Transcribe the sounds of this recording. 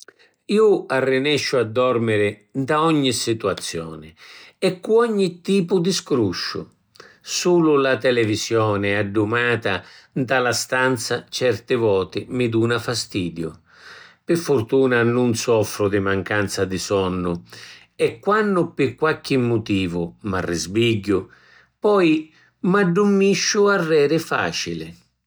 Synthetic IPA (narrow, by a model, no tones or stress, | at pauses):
iːʊarːɪnɛʃːʊad̪ːɔrmɪɾɪd̪aɔɲːisit̪uat̪sːjɔːnɪɛkːuɔɲːit̪ːiːpʊd̪iskɾuʃːʊ̰ | suːlʊlat̪ɛlɛvisjɔːnɪaɖːumaːt̪ad̪alast̪ant̪sat͡ʃɛrt̪ɪvɔːt̪ɪmɪd̪uːnafast̪iːd̪jʊ | pɪfːʊrt̪uːnanʊnsɔfɾʊd̪ɪmaŋkant̪sad̪ɪsɔnːʊ | ɛkːwanːʊpɪkːwakːɪmːʊt̪iːvʊmarːɪzbiɟːʊ | pɔj | maɖːumːiʃːʊarːɛːɾɪfa̰ːt͡ʃilɪ̰